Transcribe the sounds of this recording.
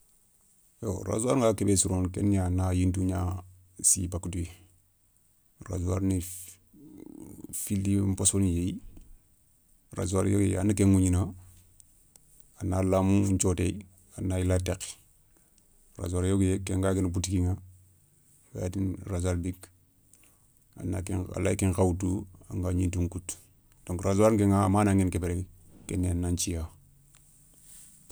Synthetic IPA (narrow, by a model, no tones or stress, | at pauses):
o̰ɾa̰zuaɾŋɡakebesuɾonkḛnianajintuɲa | sḭbakutui | ɾa̰zuaɾni | filːimposonijej | ɾa̰zuaɾjoɡja̰nakeŋuɲina | analamuuɲt͡ʃotei | anːailatek | ɾa̰zaɾjoɡjekeŋɡakenap̬utikiŋa | wḛatinɾazaɾbik | a̰na̰kea̰la̰ikiŋkawutua̰ŋɡaɲintuŋkut | d̥oŋɾazaɾkeŋaːmanaŋenkebeɾekkeneanːaɲt͡ʃija